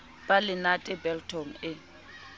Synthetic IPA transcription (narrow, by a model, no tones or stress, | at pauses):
b̥alɪnatʼɛbɛltʰɔŋ̩ɪ